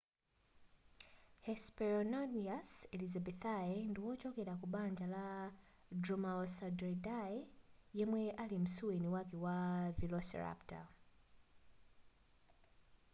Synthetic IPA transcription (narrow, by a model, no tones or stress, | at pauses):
hɛspɛɾɔnɔniasɛlizabɛθaɛndiwɔt͡ʃɔkɛlakuɓaɲd͡ʒala | drɔmaɔsadɾɛdaɛjɛmwɛʔalim̩suwɛniwakiwavilɔsɛ̰ɹa̰pta̰